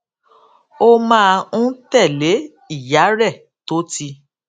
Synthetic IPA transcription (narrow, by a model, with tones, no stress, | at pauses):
o˦mãː˦˧ũ˦tɛ˦˨le˨˦ | i˦˨ja˨˦ɾɛ˦˨ | to˦ti˧